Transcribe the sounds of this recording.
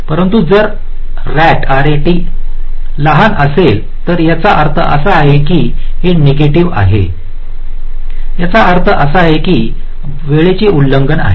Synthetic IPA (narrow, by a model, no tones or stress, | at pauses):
pəɾənt̪ud͡zəɾ | ɾæʈaɾeʈiː | ləɦanəsel | t̪əɾjat͡saʔəɾt̪ʰəʔə̰saːɦekiːɦeneɡeʈiʋa̰ɦḛ | jat͡saəɾt̪ʰəʔəsaaɦekiː | ʋeɭet͡ɕeulːəŋɡəna̰ɦe